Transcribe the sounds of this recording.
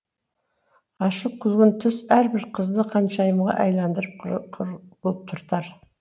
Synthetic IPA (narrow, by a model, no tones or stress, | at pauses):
ɑʃəq̚kʲʰʏlɡʲɪnt̪ʰʏsæɾbɪɾqʰəzd̪əqʰɑnʃɑjəmʁɑ̰ʔɑjlˠɑnd̪əɾəp | bolˠp̚t̪ʰʊɾt̪ɑɾ